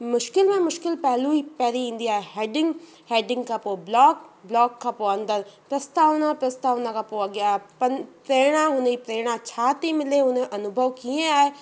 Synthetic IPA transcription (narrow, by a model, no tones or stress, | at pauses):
mʊʃkɪlmẽmʊʃkɪlpɛɦlũipɛːɾiĩnd̪iaːeɦeːɖɪ̃ŋɡ | heːɖɪ̃ŋɡkapoːblɔːkblɔːkːapoːɐ̃nd̪əɾpɾɐst̪aːʋnãpɾɐst̪aːʋnãkapoɐɡjaːepɐnpɾeːɽ̃ãʊnẽipɾeːɽ̃ãt͡ʃʰaːt̪imɪleʊnẽʔɐnʊbʱəʋkiẽaːe